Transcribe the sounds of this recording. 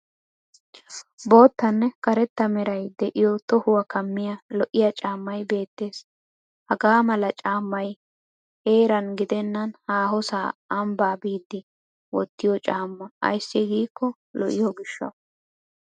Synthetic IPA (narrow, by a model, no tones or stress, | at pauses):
bo̞ːt̪ːɐnːɛkɐɾɛt̪ːɐmɛɾɐjd̪ɛʔɪjɔt̪ɔhʊwɐkɐmːɪjɐlɔʔɪjɐt͡ʃʼaːmːɐjbe̞ːt̪ːe̞ːs | hɐɡaːmɐlɐt͡ʃʼaːmːɐj | e̞ːɾɐnɡɪd̪ɛnːɐnhaːɦɔsa̰ːɐmbaːbiːd̪ːɪ | wɔt̪ːɪjɔt͡ʃʼaːmːɐɐ̰jsːɪɡiːkːɔ | lɔ̰ʔɪjɔɡɪʃːɐ̰